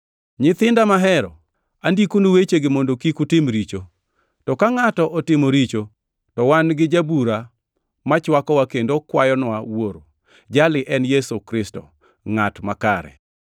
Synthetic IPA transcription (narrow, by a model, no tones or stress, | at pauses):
ɲɪt̪ɪndamaɦɛɾɔ̰ | andikunowet͡ʃeɡɪmondokikutɪmɾit͡ʃo | tɔkaŋatɔʔɔtɪmoɾit͡ʃo | tɔwanɡɪd͡ʒabuɾa | mat͡ʃwakɔwakendokwajɔnwawoɾo | d͡ʒalɪʔɛnjɛsukɾɪstɔ̰ | ŋatmakaɾɛ̰